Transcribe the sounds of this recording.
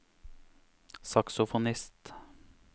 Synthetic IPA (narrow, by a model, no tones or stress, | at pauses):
sɑksʊfʊnɪst̪